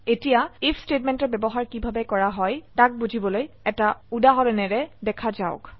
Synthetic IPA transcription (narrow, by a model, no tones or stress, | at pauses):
etijaipʰstetmɛntɔɹbɛbɔɦaɹkibʱabɛkɔɹaɦɔjtak̚bud͡ʒʱibɔloj | ɛtaudaɦɔlɛnɛɹɛdɛkʰazaʊk